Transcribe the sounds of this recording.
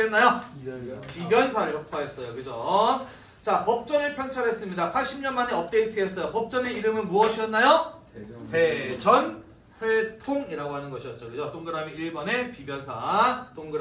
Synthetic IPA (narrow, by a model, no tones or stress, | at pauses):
enːajo | pibjʌnsʰaɾɯɭhokʰwaɦes͈ʌjokɯd͡ʑo | t͡ɕapʌp̚t͡ɕ͈ʌnɯɭpʰjʌŋt͡ɕʰaɾɦe̞s͈ɯmɲidapʰaɭɕ͈ʰimɲʌnmane̞ʌp̚t͈eintʰɯes͈ʌjopʌp̚t͡ɕ͈ʌne̞iɾɯmɯnmuʌɕʰiʌnːajo | pe̞d͡ʑʌn | ɸwe̞tʰoŋiɾaɡoɦanɯnɡʌɕʰiʌt̚t͡ɕ͈okɯd͡ʑotoŋɡɯɾamiiɭbʌne̞pibjʌnsʰatoŋɡɯɾ